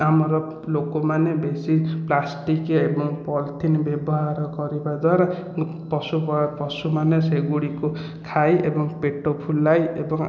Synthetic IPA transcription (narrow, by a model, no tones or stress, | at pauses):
amɔɾɔ | lokomanebesiplasʈikeebɔŋpɔlt̪ʰinbjebɔɦaɾɔkɔɾibad̪waɾa | pɔsubɔpɔsumaneseɡuɽiko | kʰajʔḛbɔŋpeʈopʰulːajebɔŋ